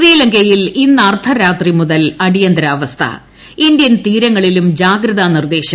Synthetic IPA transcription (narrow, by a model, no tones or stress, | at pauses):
riːlɐŋɡɐjilinːɐɐrt̪ʰɐɾaːt̪rimuðɐlɐɽijɐnd̪ɾaːʋɐst̪ʰɐ̰ | ind̪jɐnt̪iːɾɐŋːɐɭilumd͡ʑaːɡɾɐðɐnird̪e̞ːɕɐ